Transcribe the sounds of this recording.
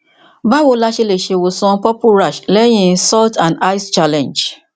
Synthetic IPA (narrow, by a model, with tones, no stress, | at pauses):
ba˦wo˨˦la˦ʃe˧le˨ʃe˨wo˨sɔ̃˧˦pɔ˦pu˦ɾa˨ʃlɛ˦j̃ĩ˦sɔ˦ltã˨nda˦ɪ˦st͡ʃa˦lɛ̃˨nd͡ʒ